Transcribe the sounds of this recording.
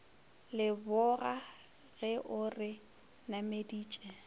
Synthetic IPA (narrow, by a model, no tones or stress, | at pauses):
lɪbʊɣa | ɣɛʔʊrɪ | namediːt͡ʃʼɛ